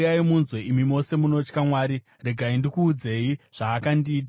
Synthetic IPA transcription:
jaimunzwe̞ʔimimo̞se̞muno̞t͡ʃkamwaːɾi | re̞ɡʱaindikuːd͡ze̞iʐ̥aːkandiːt̬a

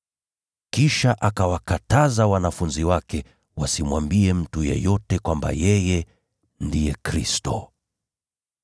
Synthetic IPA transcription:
kiʃaʔakawakatazawanafunziwakɛ | wasimwambiɛm̩tujɛ̰jɔtɛkwamba̰jɛjɛ | ndijɛkɾistɔ

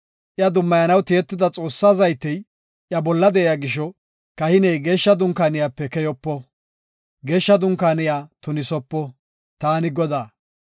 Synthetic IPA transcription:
ʔɪjɐd̪ʊmːɐjɐnɐwt̪ɪjɛt̪ːɪd̪ɐt͡sʼo̞ːsːazɐjt̪ːɛj | ʔjɐbɔlːɐd̪ɛɛjaɡɪʃ̬ɔ | kɐhɪnɛjɡe̞ːʃːɐd̪ʊŋkaːnɪjaːpːɛkɛjɔpːɔ | ɡe̞ːʃːɐd̪ʊŋkaːnɪjaːt̪ʊnɪsɔpːɔ | t̪aːnɪɡɔd̪aː

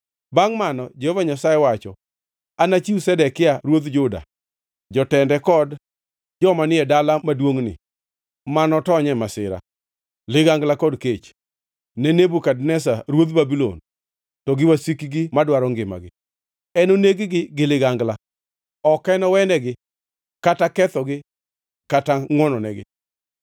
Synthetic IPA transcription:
baŋmanɔ̰d͡ʒehovaɲasajɛwat͡ʃɔ̰ | anat͡ʃiusɛdɛkɪaɾwod̪d͡ʒʊda̰ | d͡ʒɔtɛndɛkɔd | d͡ʒɔmanɪɛdalamadwoŋnɪ̰ | manɔtɔɲɛmasɪ̰ɾa̰ | lɪɡaŋɡlakɔdket͡ʃ | nɛnebukadnɛs̬aɾwot̪babilo̰n | tɔɡɪwasikiɡɪmadwaɾɔŋɡɪma̰ɡɪ | ɛnoneɡɪɡɪɡɪlɪɡaŋɡla | ɔkɛnɔwɛnɛɡɪ | katakɛt̪ɔɡɪ | kataŋwɔnɔnɛɡɪ̰

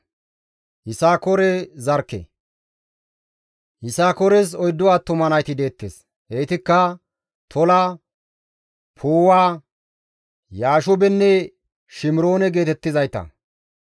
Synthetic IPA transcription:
hɪsaːkɔɾɛzɐɾkːɛ̰ | hɪsaːkɔɾɛs̬ɔjd̪ːʊwaːt̪ʊmɐnɐjt̪ɪd̪e̞ːt̪ːḛs | heːt̪ɪkːɐ | t̪ʰɔlaː | pʰoːwaː | jaːʃʊbɛnːɛ | ʃɪmɪɾo̞ːnɛɡe̞ːt̪ɛt̪ːɪzɐjt̪ɐ̰

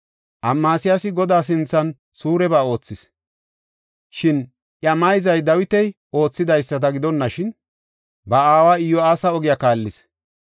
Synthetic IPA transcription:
ʔɐmːaːsɪjasɪɡɔd̪aːs̬ɪnt͡sːɐn | suːɾɛbaːo̞ːt͡sːɪs | ʃɪn | ʔjɐmɐjzɐjd̪ɐwɪt̪ɛj | o̞ːt͡sːɪd̪ɐjsːɐt̪̬ɐɡɪd̪ɔnːɐʃɪn | bɐaːwaːɪjːɔaːsɐɔɡɪjakaːlːɪs

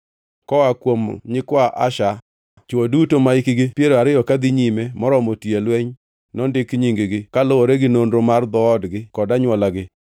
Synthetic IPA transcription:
kɔakwomɲɪkwaʔaʃa | t͡ʃodutomaɪkɪɡɪpjeɾoaɾɪjɔkad̪ɪɲimemɔɾɔmotielweɲ | nɔndɪkɲiŋɡɪɡɪkalooɾeɡɪnonɾomard̪ɔːdɡɪkɔdaɲwɔlaɡɪ

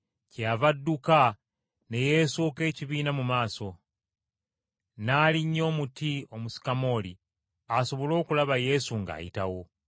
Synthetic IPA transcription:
cavadːuka | ne̞je̞soke̞ːciβiːnamumaːso̞ | naːliɲːo̞ːmutio̞musi̥kamo̞ːlḭ | aso̞βo̞lo̞ːkulaβaje̞suŋɡa̰ːjḭtawo̞

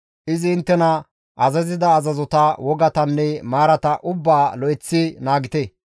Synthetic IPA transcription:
ʔɪzɪɪnt̪ːɛnɐ | ʔɐzɐzɪd̪ɐːzɐzɔt̪ɐwɔɡɐt̪ɐnːɛmaːɾɐt̪ɐʔʊbːaːlɔɛt͡sːɪnaːɡɪt̪e

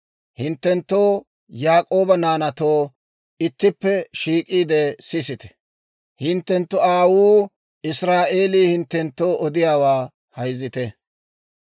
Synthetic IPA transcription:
hɪnt̪ːɛnt̪ːo̞ː | jaːkʼo̞ːbɐnaːnɐt̪o̞ː | ɪt̪ːɪpːɛʃiːkʼiːd̪ɛsɪsɪt̪ɛ̥ | hɪnt̪ːɛnt̪ːʊaːwuː | ɪsɾaːʔe̞ːliːhɪnt̪ːɛnt̪ːo̞ːʔɔd̪ɪjaːwaː | hɐjzɪt̪ɛ

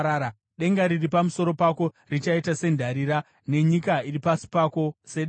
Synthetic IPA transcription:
aːa | ɗe̞ŋɡaɾiripamuso̞ɾo̞pako̞ | rit͡ʃaitase̞ndʱaɾiɾa | ne̞ɲikairipasi̥pako̞se̞ɗ

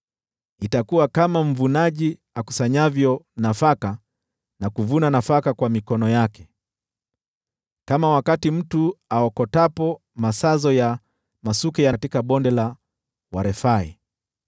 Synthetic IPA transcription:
itakuwakamaɱ̩vunaʄi | aku̥saɲavjɔnafaka | nakuvunanafakakwamikɔnɔjakɛ̥ | kamawakatim̩tuaɔkɔtapɔ | masazɔja | masukɛjatikaɓɔndɛla | waɾɛfaḭ

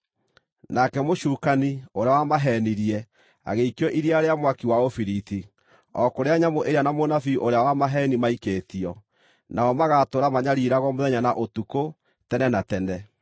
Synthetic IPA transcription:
nakɛmoʃuːkanioɾeawamaɦɛniɾiɛ | a̰ɣeikɔʔiɾiaɾeamwakiwaofiɾiti | ɔkoɾeaɲamoʔeɾeanamonafiʔoɾeawamaɦɛnimaikeːtiɔ | naɔmaɣatoɾamaɲaɾiɾaɣɔmoðɛɲanaʔotuko | tɛnɛnatɛnɛ

